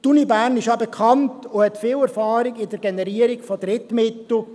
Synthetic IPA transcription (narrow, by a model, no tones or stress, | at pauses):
tunibæːɾnɪʃjɑbekʰɑntʊhɛtfɪːlɛɾfɑːɾɪɡɪdəɾɡɛnɛɾiːəɾɪɡfɔdɾɪtmɪtl̩